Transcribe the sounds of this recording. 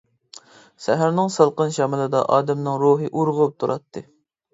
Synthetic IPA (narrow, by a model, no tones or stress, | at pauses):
sæɦæɾnɪŋsɑlˠqənʃɑmɨlˠɨd̪ɑ̰ʔɑːd̪ɛmnɨŋɾuɦɨʔuɾʁʊp̚t̪ʰuɾʔɑt̪ʰːɨ